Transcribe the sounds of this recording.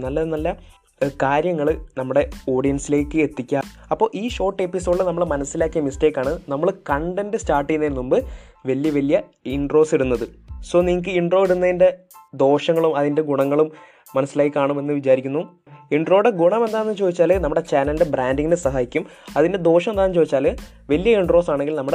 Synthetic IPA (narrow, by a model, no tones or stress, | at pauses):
nɐlːɐðenɐlːɐ | kaːɾjɐŋːɐɭɨnɐmːuɽe̞o̞ːɽijɐnsile̞ːkːɨet̪ːikʲːaɐpːo̞ːʔiːɕo̞ːrʈːepisoːɖilnɐmːɐɭmɐnɐsːilaːkːijɐmisteːkːaːɳɨnɐmːɐɭkɐɳɖendestaːrʈːijnːeːnːumbɨʋɐlijɐʋɐlːijɐ | iɳɖro̞ːsiɽunːɐðɨso̞ːniŋk̬ːɨiɳɖro̞ːiɽunːɐðinde̞ | d̪o̞ːʂɐŋːɐɭumɐðinde̞ɡuɳɐŋːɐɭumː | ɐnɐsːilaːkikːaːɳume̞nːɨʋit͡ɕaːɾikʲːunːu | iɳɖro̞ːɽeɡuɳɐmend̪aːenːɨt͡ɕoːd̪it͡ɕːaːlnɐmːuɽe̞t͡ɕaːnɐlidebɾaːndiŋːinɨsɐɦaːjikʲːum | ɐðinde̞d̪o̞ːʂ̬ɐmend̪aːnːɨt͡ɕoːðit͡ɕːaːl | ʋɐlijɐiɳɖro̞ːsaːɳeŋɡilnɐmːuɽe